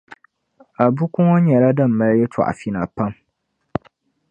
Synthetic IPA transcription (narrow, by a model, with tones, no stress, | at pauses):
a˨bu˦kʊ˦ŋɔ˦ɲɛ˨la˦da˦˨m̩ː˨a˦ljɛ˦tʰa̰˨ʔa̰˨fi˦na˨pa˦m